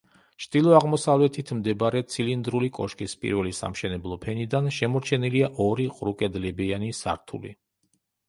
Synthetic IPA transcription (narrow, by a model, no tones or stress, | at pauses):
t͡ʃʰd̪̥ilˠɔaʁmɔsavlɛt̪ʰit̪ʰmd̪ɛbaɾɛt̪sʰilind̪ɾulikʼɔ̰ʃkʼispʼḭɾvɛlisa̰mʃɛnɛblˠɔpʰɛnid̪anʃɛmɔɾt͡ʃʰɛniliaʔɔɾiqʼɾukʼɛd̪lɛbianisa̰ɾt̪ʰṵlḭ